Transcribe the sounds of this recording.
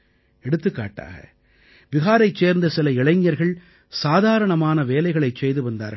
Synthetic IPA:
ɛɽɯt̪ːɯkːa̰ːʈːa̰ːɣɐ̰ | ʋɪɣaːɾɐɪt͡ʃeːɾnd̪ɐsɪlɐɪɭɐɪɲːjɐɾɣɐɭ | saːðaːɾɐɳɐmaːnɐʋeːlɐɪɣɐɭɐɪt͡ʃɛjðɯʋɐnd̪a̰ːɾɣ

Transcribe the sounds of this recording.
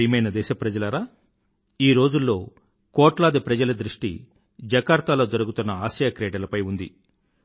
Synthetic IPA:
ijmɐjnɐd̪ɛːʃɐpɾɐd͡ʒɐlɐɾaː | iːɾo̞ːd͡ʒulːo̞ː | kɔːʈlaːd̪ipɾɐd͡ʒɐlɐd̪ɾiʂʈḭ | d͡ʒɐkaːɾt̪alo̞ːd͡ʒɐɾuɡut̪unːɐaːʃɐjakɾɛːɖɐlɐpɐjund̪ḭ

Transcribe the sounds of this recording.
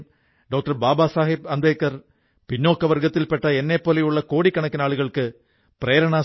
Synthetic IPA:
ɖoːk̚ʈɐɾbaːbaːsaːɦɪb̚ɐnd̪ɐːkːɐɾ | pɪnːoːkːɐʋɐɾɣɐt̪ːɪlpɛʈːɐɛnːeːpːoːlɐjʊɭːɐkoːɽikːɐɳɐkːɯnaːɭɯɣɐɭɯkːɯ | pɪɾeːɾɐɳaː

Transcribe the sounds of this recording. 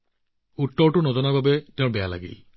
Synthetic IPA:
utːɔɹʈunɔzɔnaɹbabɛtẽʊ̃bɛjala̰ɡḭ

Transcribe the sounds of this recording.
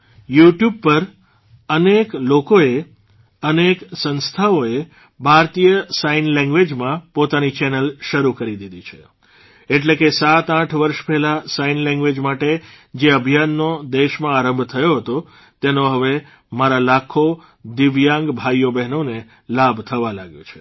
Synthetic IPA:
juʈjub̚pəɾ | əneklokoe | əneksə̃nst̪ʰaoe | bʱaɾt̪ijəsainlɛ̃ŋɡʋed͡ʒmãpot̪anit͡ʃɛnəlʃəɾukəɾid̪id̪it͡ʃʰe̥ | eʈ̬lekesat̪ãʈʰʋəɾʃpɛɦlasainlɛ̃ŋɡʋed͡ʒmaʈe | d͡ʒeəbʱijanːod̪eʃmãaɾə̃mbʱt̪ʰəjoɦət̪o | t̪enoɦəʋe | maɾalakʰo | d̪ɪʋjãŋɡbʱajobɛɦnone | labʱt̪ʰəʋalaɡjõ̰t͡ʃʰe̥

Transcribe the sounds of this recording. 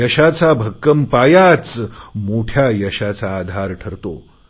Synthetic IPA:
ɐɕat͡sabʱəkːəmpajat͡smoʈʰjajɐɕat͡saːd̪ʱaɾʈʰəɾt̪o̰

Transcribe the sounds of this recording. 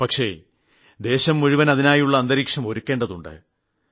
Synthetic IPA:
pɐkʂe̞̰ | d̪e̞ːɕɐmːuɻuʋɐnɐðinaːjuɭːɐːnd̪ɐɾiːkʂɐmo̞ɾukʲːe̞ːɳɖɐðuɳɖɨ̰

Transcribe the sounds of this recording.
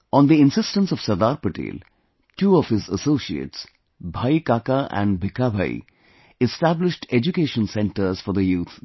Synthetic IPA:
ɔ̃nd̪iɪ̃nsɪsʈə̃nsɔʋ̥səd̪aːɾpəʈḛːl | ʈuːɔʋhɪzəsoːsiḛːʈs | bʱajkaːkaʔæ̰̃ɳɖbʱɪkabʱa̰ḭ | ɪsʈæblɪʃʈed͡ʒukeːʃə̃nsɛ̃ɳʈəɾz̥fɔɾd̪əjuːt̪ʰ

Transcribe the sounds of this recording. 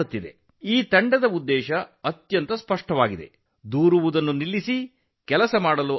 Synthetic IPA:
ut̪ːid̪e̞̰ | iːt̪ɐɳɖɐd̪ɐud̪ːɛːʃɐɐt̪jɐnt̪ɐspɐʂʈɐʋaːɡid̪e̞̰ | d̪uːɾuʋud̪ɐnːunilːisi | kɛlɐsɐmaːɽɐlu

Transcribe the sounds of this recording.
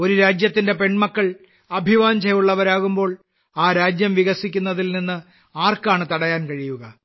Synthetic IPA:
o̞ɾuɾaːd͡ʑjɐt̪ːinde̞pe̞ɳmɐkːɐɭ | ɐbʱiʋaːɲd͡ʑɐjuɭːɐʋɐɾaːɣumbo̞ːɭ | aːɾaːd͡ʑjɐmʋiɣɐsikʲːunːɐðilninːɨ | aːrkaːɳɨt̪ɐɽɐjaːnkɐɻijuɣɐ

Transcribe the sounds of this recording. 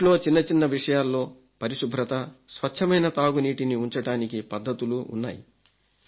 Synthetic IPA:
lo̞ːt͡ʃinːɐt͡ʃinːɐʋiʂɐjaːlːo̞ː | pɐɾiʂubʱɾɐt̪ɐsʋɐt͡ʃʰːɐmɐjnɐt̪aːɡuniːʈiniuɲt͡ʃɐɽaːnikipɐd̪ʱːɐt̪uluṵnːa̰ːjḭ

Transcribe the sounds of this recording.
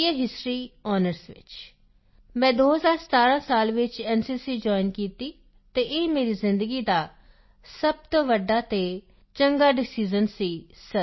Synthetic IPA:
əɦɪsʈɾiːɔːnəɾsʋɪ̰t͡ʃ | mɛ̃ːd̪oːɦəzaːɾsə̥t̪aːɾãːsaːlʋɪt͡ʃɛːnsiːsiːd͡ʒɔːɪnkiːt̪iː | t̪eːʔeːmeːɾiːzɪ̃nd̪əɡiːd̪aː | səb̚t̪õːʋəɖːaːt̪eː | t͡ʃəŋɡaːɖɪsiːzənsiːsə

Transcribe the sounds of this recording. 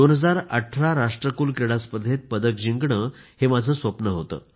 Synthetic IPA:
onɦəd͡zaɾəʈʰɾaɾaʂʈɾəkuːlkɾeɽaspəd̪ʱet̪̚pəd̪əkd͡ʑiŋɡɳəː | hemad͡zʱəːsʋəpnəɦot̪ə̰ː

